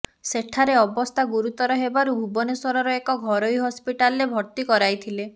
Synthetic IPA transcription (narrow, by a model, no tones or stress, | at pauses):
seʈʰaɾeɔbɔst̪ʰaɡuɾut̪ɔɾɔɦebaɾubʱubɔneswɔɾɔɾɔekɔɡʱɔɾojɦɔspiʈalɾebʱɔɾt̪ikɔɾajt̪ʰile